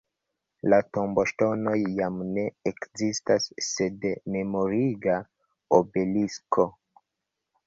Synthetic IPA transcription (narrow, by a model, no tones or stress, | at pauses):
latombo̞ʃto̞no̞jːamne̞ekzistasːe̞dme̞mo̞ɾiɡa | obe̞liskʰo̞